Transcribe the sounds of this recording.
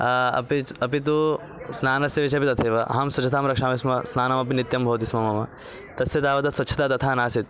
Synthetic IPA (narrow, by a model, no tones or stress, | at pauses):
ɐ̰piɐpit̪̬u | snaːnɐsjɐʋiʃɐpit̪ɐt̪ʰeːʋɐɐ̰ɦɐmswɐt͡ʃʰɐt̪aːmɾɐkʂaːmismɐsnaːnamɐp̬init̪jɐmbʱɐːt̪ismɐmɐmɐ | t̪ɐsjɐt̪aːʋɐt̪ɐsʋɐt͡ʃːʃʰɐ̥t̪aːt̪ɐt̪ʰaːnaːsit̪̚